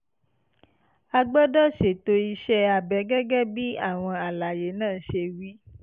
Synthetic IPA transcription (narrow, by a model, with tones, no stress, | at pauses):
a˧ɡ͡bɔ˦dɔ˦ʃe˨to˧i˧ʃɛ˦a˨bɛ˨˦ɡɛ˦ɡɛ˦bi˦a̰˦˨w̃ɔ̃˧a˨la˨je˨˦nãː˦˨˦ʃe˧wi˦